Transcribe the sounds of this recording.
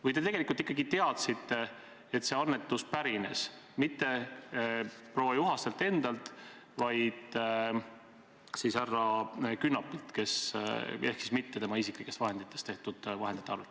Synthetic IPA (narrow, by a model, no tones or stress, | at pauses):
vɯjt̪e̞t̪e̞ɡelikult̪ikˑːɑɡit̪e̞ɑt̪sit̪ːˑe | et̪se̞ɑnːe̞t̪ːuspæɾine̞s | mit̪ːe̞ | pro̞vɑjuɦɑst̪e̞lt̪ːˑe̞nd̪ɑlt̪ˑ | vɑjd̪̥ | sisærːɑkynːɑpːˑilt̪ke̞s | e̞hksismit̪ːe̞t̪e̞mɑisiklikːˑe̞st̪vɑɦe̞nd̪it̪ːˑe̞st̪e̞ht̪ud̪̥vɑɦed̪̥it̪ːeɑɾɑlt̪